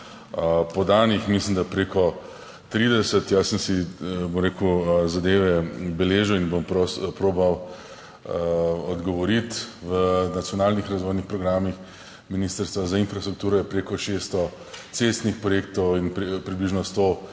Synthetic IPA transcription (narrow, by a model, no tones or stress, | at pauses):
pɔd̪aːnixmislimd̪apɾeːkɔ | t̪ɾiːd̪ɛsət̪jasəmsibomɾeːkuzad̪eːʋɛbɛleːʒəwinbompospɾoːbaw | ɔd̪ɡɔʋɔɾit̪ʋənat̪sʲjɔnaːlnixɾazʋoːjnixpɾɔɡɾaːmix | minist̪əɾst̪ʋazainfɾast̪ɾuk̚t̪uːɾɔjɛpɾeːkɔʃest̪ɔ | t̪sest̪nixpɾɔjeːk̚t̪ɔwinppɾibliʒnɔst̪oː